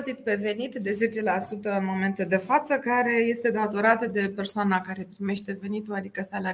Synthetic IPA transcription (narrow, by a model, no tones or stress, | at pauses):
zit̪̚pe̞ve̞nit̪d̪e̞ze̞t͡ʃe̞lasut̪əɨnmo̞me̞nt̪ed̪e̞fat̪səkaɾe̞je̞st̪e̞d̪at̪o̞ɾat̪əd̪e̞pe̞rsoanakaɾe̞pɾime̞ʃt̪e̞ve̞nit̪uad̪ikəsala